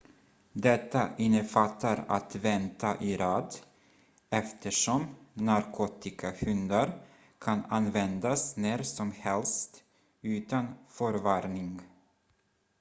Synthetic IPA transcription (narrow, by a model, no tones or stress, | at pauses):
d̪ɛt̪ːaʔɪnːəfat̪ʰːaɾa̰t̪vɛnt̪ʰaʔɪɾɑːd̪ | ɛft̪ʰəʂɔmnaɾkʰoːt̪ɪkʰahɵnd̪aɾ | kʰananvɛnd̪asneːɾsɔmhɛlst̪ | ʉ̟ːt̪anfœɾvaɾnɪŋ